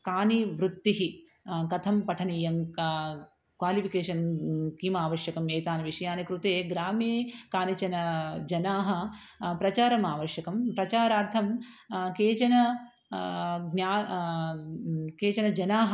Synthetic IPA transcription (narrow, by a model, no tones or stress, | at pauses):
kaːniʋɾut̪ːiɦi | kɐt̪ʰɐmpɐʈʰɐnijɐŋ | kʋaːlipʰikeːʂɐnkiːmaːʋɐɾʂjɐkɐmeːt̪aːnɐʋiʂɐjaːnɐkɾut̪eːɡɾaːmeːkaːnɐt͡ʃɐnɐd͡ʒɐnaːɦɐ̆ | pɾɐt͡ʃaːɾɐmaːʋɐɾʃjɐkɐmpɾɐt͡ʃaːɾaːɾt̪ʰɐm | keːt͡ʃɐnɐ | ɡnjaː | keːt͡ʃɐnɐd͡ʒɐnaːɦɐ